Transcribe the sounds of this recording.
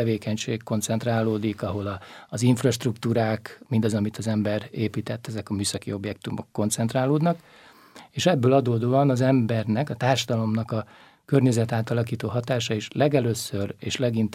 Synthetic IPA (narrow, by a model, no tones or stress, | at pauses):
ɛveːkɛɲʃḛːkkːo̞nt̪sɛnt̪raːloːd̪ikɒɦo̞lɒziɱfrɒʃt̪rukt̪uːɾaːkmind̪ɒzɒmit̪ɒzɛmbɛɾeːpiːt̪ɛt̪ːɛzɛkɒmyːsɒkio̞bjɛkt̪umo̞̰kːo̞nt̪sɛnt̪raːloːd̪nɒk | eːʃɛbːøːlɒd̪oːd̪oːɒnɒzɛmbɛrnɛkɒt̪aːrʃɒd̪ɒlo̞mnɒkɒ | kørɲɛzɛt̪aːt̪ɒlɒkiːt̪oːɦɒt̪aːʃɒiʃlɛɡɛløːsøreːʃlɛɡint̪